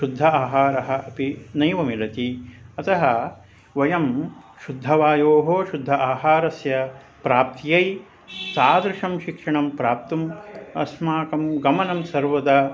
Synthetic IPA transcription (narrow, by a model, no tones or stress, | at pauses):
ʃud̪ʱːɐaːɦaːɾɐɦɐɐpinɐjʋɐmilɐt̪iɐt̪ɐɦɐ | ʋɐjɐm | ʃud̪ʱɐʋaːjoːɦoːʃud̪ʱːɐʔaːɦaːɾɐsjɐ | pɾaːp̚t̪jɐj | saːd̪ɾɪʂɐmʃikʂɐɳɐmpɾaːp̚t̪umɐ̰smaːkɐmɡɐmɐnɐmsɐɾʋɐd̪ɐ